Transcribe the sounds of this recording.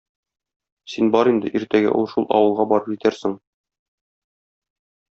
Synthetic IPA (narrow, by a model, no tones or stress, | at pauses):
sinbɒɾind̪ɘ̰ʔiɾt̪æɡæ̰ʔṵlˠʃulˠɒ̰wɤ̆lˠʁɑbɒɾɤpʑit̪æɾsɘŋ